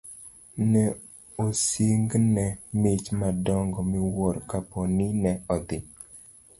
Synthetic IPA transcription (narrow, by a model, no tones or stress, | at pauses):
nɛ | osiŋɡnɛmet͡ʃmadɔŋɡɔmiwɔɾkapɔnɪnɛɔd̪ɪ